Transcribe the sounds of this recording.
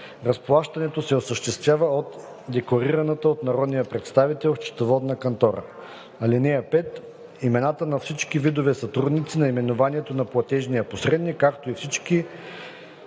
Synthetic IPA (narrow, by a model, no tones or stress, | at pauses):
ɾɐsplˠaʃt̪ɐnɛt̪osɛosəʃt̪ɛst̪vʲjavəot̪ | d̪ɛkoɾiɾɐnət̪əot̪nɐɾɔd̪nijəpɾɛt̪st̪avit̪ɛlˠft͡ʃi̥t̪ovɔd̪nəkɐnt̪ɔɾə̰ | ɐlinɛjəpɛt̪ | imɛnat̪ənɐfsit͡ʃkivid̪ovɛsɐt̪ɾud̪nit̪sinɐimɛnovaniɛt̪onɐplˠɐt̪ɛʒnijɐposɾɛd̪nikːakt̪oifsit͡ʃki